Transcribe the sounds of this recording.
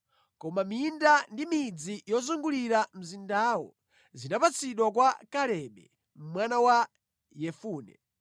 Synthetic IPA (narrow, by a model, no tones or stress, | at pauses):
kɔmamindandimid͡zijɔzuŋɡuliɾam̩zindaːwɔ̰ | zinapat͡sʰiɗwak̬wakalɛɓɛ | m̩mwanawa | jɛfuːnɛ̰